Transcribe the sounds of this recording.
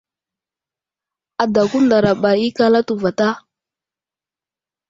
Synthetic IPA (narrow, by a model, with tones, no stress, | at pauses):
a˨da˨ku˦nda˨ɾa˨ɓa˨i˦ka˦la˦tu˨va˨ta˦